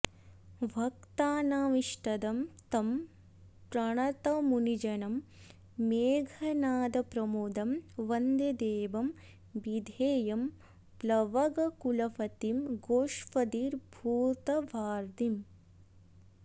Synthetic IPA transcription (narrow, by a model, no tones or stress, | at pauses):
ʋʱɐk̚t̪aːnaːʋiʂʈɐd̪ɐmt̪ɐm | pɾɐɳɐt̪ɐmunid͡ʒɐnɐmː | eːɡʱɐnaːd̪ɐpɾɐmud̪ɐmʋɐnd̪ed̪eːbɐm | bid̪ʱeːjɐm | plɐʋɐɡɐkulɐfɐt̪imɡoːʃpɐd̪iːɾbʱuːt̪ɐʋaːɾd̪im